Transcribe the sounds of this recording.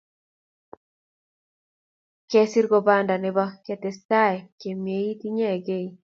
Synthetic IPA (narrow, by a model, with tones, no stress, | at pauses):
kɛ˦si˦ɾɡɔ˨ba˦nda˨nɛ˨ba˦kɛ˦tɛ˨sta˦˨ɛ˨ke˨mie˦i˦ti˦ɲɛ˦˨ɡe˦˨i